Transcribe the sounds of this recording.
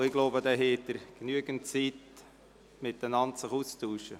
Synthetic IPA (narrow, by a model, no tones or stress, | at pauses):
ɪɡloʊbədɛːɦɛːt̪əɾɡ̥nyəɡəntt͡siːt | mɪtənɑntsɪχuːst̪uːʃə